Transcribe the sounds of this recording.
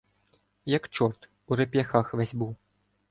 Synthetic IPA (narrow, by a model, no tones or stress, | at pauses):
jɐkt͡ʃɔrt̪ | uɾepʲjɐxɑxʋɛzʲbuw